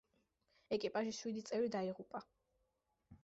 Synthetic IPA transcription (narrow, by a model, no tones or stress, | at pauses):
ɛkʼipʼaʒiswid̪it̪sʼɛvɾid̪aiʁupʼa